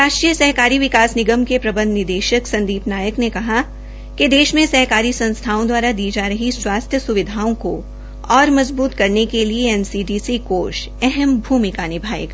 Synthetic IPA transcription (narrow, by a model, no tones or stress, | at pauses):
ɾaːʃʈɾiːjəsɐɦkaːɾiʋɪkaːsnɪɡəmkepɾɐbə̃nd̪nɪɾd̪eːʃəksɐ̃nd̪iːpnaːjəknekɐɦa | ked̪eːʃmẽsɐɦkaːɾisɐ̃nst̪ʰaːõd̪waːɾad̪iːd͡ʒaːɾɐɦiswaːst̪ʰjəsʊʋɪd̪ʱaːõko | ɔːɾmɐzbuːt̪kɐɾnekelieɛnsiːɖiːsikoːʃ | ɛɦɛmbʱuːmɪkanɪbʱaːjə̰k